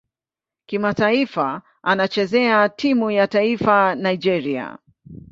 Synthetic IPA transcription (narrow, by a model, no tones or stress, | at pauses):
kimataifa | anat͡ʃɛzɛatʰimujataifanajd͡ʒɛɾia̰